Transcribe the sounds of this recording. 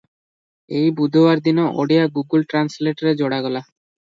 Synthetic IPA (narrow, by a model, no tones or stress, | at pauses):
ejbud̪ʱowaɾd̪inoʔo̰ɽiaɡuɡulʈɾansleʈaɾed͡ʑoɽaɡɔla